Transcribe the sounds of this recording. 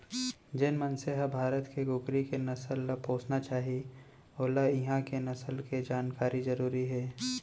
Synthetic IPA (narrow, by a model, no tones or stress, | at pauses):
d͡ʒɪnmənseɦɐbʱaːɾət̪keɡʊkɾikenɐsəlpoːt͡ʃnat͡ʃaːɦi | oːlaɪɦãkenɐsəlked͡ʒaːnkaːɾizɐɾuːɾiɦɛː